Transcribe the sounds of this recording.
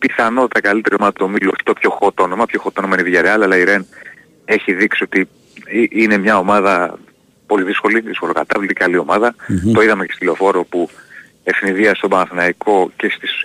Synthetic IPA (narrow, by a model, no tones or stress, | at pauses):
piθɐno̞t̪ɐkɐlit̪e̞ɾiomɐðɐt̪omiloçi̥t̪opço̞xo̞t̪o̞nomɐpço̞xo̞t̪o̞nomɐiniðiʝɐɾeɐlɐlɐiɾen | e̞çiðiksiot̪i | iʔine̞mɲɐo̞mɐðɐ | po̞liðisko̞liðisko̞lokɐt̪ɐvlt̪icalio̞mɐðɐt̪o̞iðɐmecest̪filo̞fo̞ɾo̞pu | e̞fniðiɐst̪o̞bɐnɐθinɐiko̞ce̞st̪is